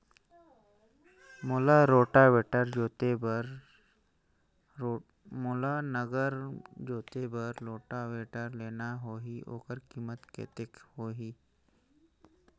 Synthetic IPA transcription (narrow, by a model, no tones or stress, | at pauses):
mʊlaɾoːʈaʋeːʈəɾd͡ʒoːt̪ebɾ | mʊlanəɡəɾd͡ʒoːt̪ebəɾloːʈaʋeːʈəɾleːnaɦoːɦio̰ːkəɾkiːmət̪kḛːt̪ɪkhoːɦiː